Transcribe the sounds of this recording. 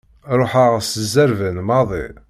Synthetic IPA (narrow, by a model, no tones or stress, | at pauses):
ɾˤoħaʁsəzːəɾvənmɑðˤḭ